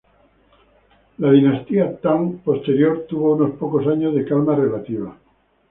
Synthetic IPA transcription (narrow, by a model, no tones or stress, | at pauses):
laðinast̪iat̪aŋpo̞st̪e̞ɾjoɾt̪uβ̞ouno̞spokosaɲozðekalmarelat̪iβ̞a